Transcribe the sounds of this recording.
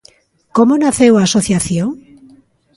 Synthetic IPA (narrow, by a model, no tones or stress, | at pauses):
komonaθewaːsoθjaθjoŋ